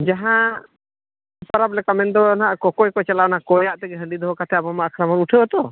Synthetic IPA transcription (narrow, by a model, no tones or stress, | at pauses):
d͡ʒaɦã | paɾaplɛkamɛnd̪ɔnaʔkɔkɔjkɔt͡ʃɛlaɔnaʔkɔjaʔt̪ɛɡɛɦə̃ɳɖid̪ʱɔɦɔkat̪ʰɛabɔmaʔkʰɾamɔɾuʈʰɛɔt̪ɔ